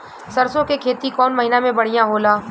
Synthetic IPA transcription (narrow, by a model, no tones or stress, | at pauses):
sɐɾsõkekʰeːt̪ikɔːnmɐɦɪnamẽbɐɽ̤ijãɦoːlaː